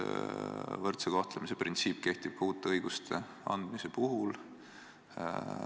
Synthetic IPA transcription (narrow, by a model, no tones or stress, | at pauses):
vɤrt̪sekɑht̪lemise̞prʔint̪siːpːˑke̞ht̪ib̥huːt̪ːˑeɤjɡ̥ust̪ʰe̞̰ | ɑnd̪̥mise̞puɦul